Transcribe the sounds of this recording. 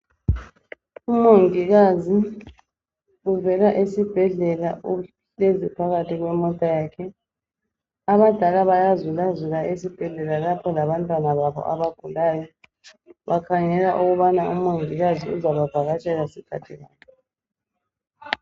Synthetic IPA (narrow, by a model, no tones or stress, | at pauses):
umoŋiɣazi | uvɛlaʔesib̥ʱɛɮɛlaʔu | ezipʰaɣatʰiɣwɛmɔtʼajaːkʰɛ | aβad̥ʱalaβajazulazulaʔesib̥ʱɛɮɛlalapʰɔlaβantʼwanaβaβɔ̰ʔa̰βaɡ̥ʱulaːjɔ | βakʰaŋɛlaʔuɣuβanaumoŋiɣaziuzaβab̥ʱaɣat͡ʃʰʼɛɣasikʰatʰiɣaːkɛ